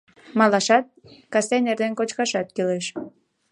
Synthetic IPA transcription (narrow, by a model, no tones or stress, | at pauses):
mɑlɑʃɑt̪̚kɑsenerd̪enkot͡ɕkɑʃɑt̪̚kileʃ